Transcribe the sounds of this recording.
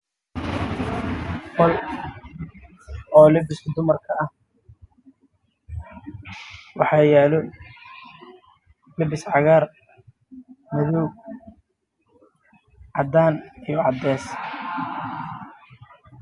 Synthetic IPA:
bɔl | ɔːlɪbɪsd̪ʊmɐrkʰɐɐh | wɑħɑːjaːlɔ | lɪbɪsʕɑɣaːr | mɐðuw | ʕɑd̪aːnijɔʕɑd̪ɛːs

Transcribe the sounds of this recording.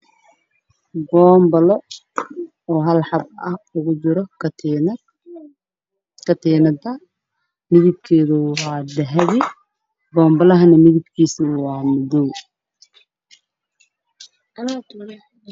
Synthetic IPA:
bɔːmbɐlɔ | ɔːɦɐlħɑb̚ɐhʊɣʊt͡ʃɪɾɔ | kʰɐt̪ʰɛnɐdɐ | mɪðɪb̚kʰɛːðɐwɑːd̪ɐɦɛβɪ | bɔːmbɐlɐɦɐnɐmɪðɪb̚kʰiːsɪwwɑːmʊdɔw

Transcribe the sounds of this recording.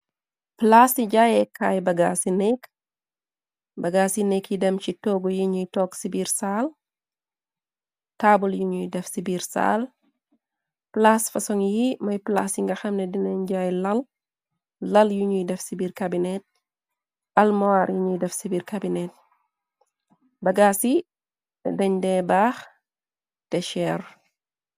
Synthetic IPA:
plasiɟajɛkʰːajbɐɡasinɛk | bɐɡasinɛkjidɐmt͡ʃitɔːɡujiɲujtɔːksibiːɾsaːl | taːbuljuɲujdɛfsibiːɾsa̰ːl | plasfɐsɔŋjimɐjplasiŋɡɐxɐmnɛdinɐɲɟajlɐlː | ɐljuɲujdɛfsibiːrkɐbinɛt̚ | ɐlmɔaːɾjiɲujdɛfsibiːɾkɐbinɛt̚ | bɐɡaːsi | dɐɲdɛbaːx | tɛʃɛːr

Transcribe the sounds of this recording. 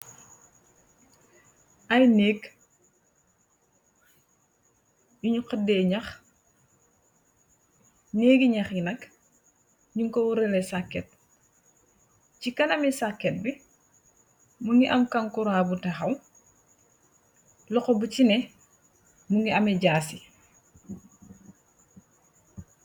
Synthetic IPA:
ʔɐjnɛːk | juɲuqɐdːɛːɲɐx | nɛːɡiɲɐxjinɐk | ɲuŋkɔwuɾɛlɛsakːɛt̚ | cikɐnɐmɛsakːɛt̚bi | muŋɡiʔɐmkaŋkuɾabutɐxɐw | lɔxɔbucinɛ | muŋɡiɐmɛɟaːsi

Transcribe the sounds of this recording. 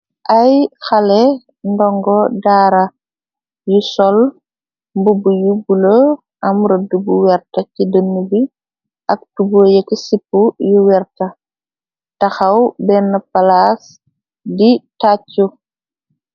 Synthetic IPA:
ʔɐjxɐlɛ | ndɔŋɡɔdaːɾɐ | jusɔl | mbubujuɡulo | ʔɐmɾɐdubuwɛɾtɐcidənːubi | ʔɐk̚tuboːjəkisipːujuwɛrtɐ | tɐxɐwbɛnːɐpɐlas | ditat͡ʃːu

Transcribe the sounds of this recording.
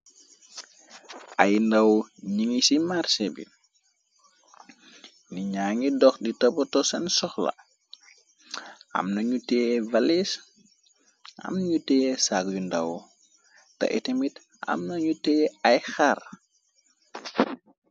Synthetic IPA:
ʔajndawɲiŋisimarsebḭ | niɲaːŋidɔxditɐbɔtɔsɐnsɔxlɐ̰ | ʔɐ̰mnɐɲutɛjɛvalis | ʔɐ̰mɲutɛjɛsakjundaw | tɐ̰ʔɛ̰tɛmit | a̰mnɐɲutɛajxar

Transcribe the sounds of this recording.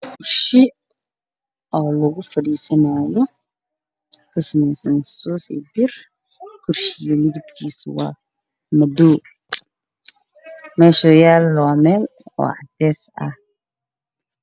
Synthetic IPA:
kʊɾʃɪ | ɔːlɐɣʊfɐɽiːsɐnaːlɔ | kʰɐsɐmɛjsɐnsuːfɪ̰bɪr | kʊrʃɪjɐmɪðɪb̚kʰiːswa̰ː | mɐdoː | mɛːʃɔːjaːlːɔwmɛːlɔ̰ːʕɑt̪ɛːsɐ̰h

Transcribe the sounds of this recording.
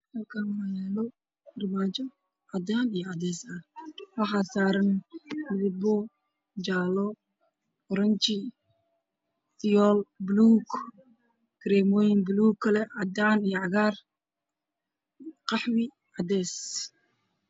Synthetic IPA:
hɐlkʰamɐjaːlɔ | rɪmaːt͡ʃɔ | ʕɑd̪aːnijɔʕɑd̪ɛːsɐwɑħɑːsaːɾɐnmɪðɪbɔ | t͡ʃaːlɔ | ɾɐnt͡ʃɪ | tɪjɔːlbluːk | ɡ̥ɾɛːmɔːjɪnbluːkʰːɐlɛʕɑd̪aːnijɔʕɑɣaːr | qɑħwɪ | ʕɑd̪ɛːs

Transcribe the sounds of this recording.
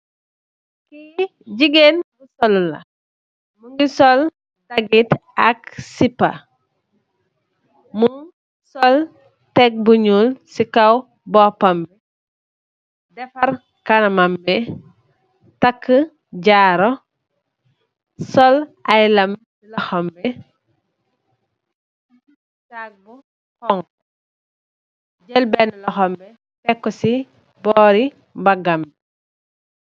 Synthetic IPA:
ki | ɟiɡenbusɔllɐ̰ | muŋɡisɔl | dɐɡitɐksipːa̰ | muŋ | sɔl | tɛk̚buɲulsikaw | bɔːpambɛ | dɛfɐɾ | kanamambɛ | takːə | ɟaːɾɔ | sɔlajlɐm | ilɐxɔmbɛ | tak̚bu | hɔŋ | d͡ʒəlbɛnlɐxɔmbɛ | tɛkːɔsi | bɔːɾi | mbɐɡambɛ

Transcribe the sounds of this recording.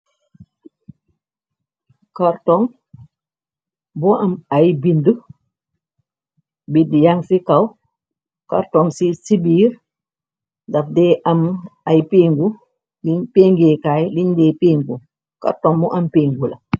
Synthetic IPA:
kaɾtɔŋ | bɔɐmajbindu | bidijaŋsikɐw | ka̰ɾtɔŋsisibiːɾ | dɐfdɛʔɐmajpiːŋɡu | liɲpeːŋɡɛkaːjliɲdɛpiːŋɡu | ka̰ɾtɔŋbɔʔɐmpeːŋɡulɐ

